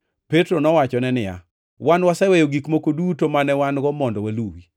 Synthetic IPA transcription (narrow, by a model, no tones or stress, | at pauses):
petɾonɔwat͡ʃɔnɛnɪja̰ | wanwasɛwɛjoɡikmokodutomanɛwanɡɔmɔndɔwaluwi